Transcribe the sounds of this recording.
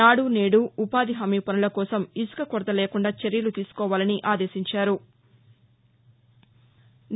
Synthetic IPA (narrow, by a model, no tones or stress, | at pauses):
aːɽune̞ːɽuupaːd̪iɦɐmiːpɐnulɐkɔːsɐmisu̥kɐkɔɾd̪ɐleːkuɳɖaːt͡ʃeɾjɐlut̪iːsu̥kɔːʋaːlɐniʔaːd̪e̞ːʃiɲt͡ʃaːɾu | n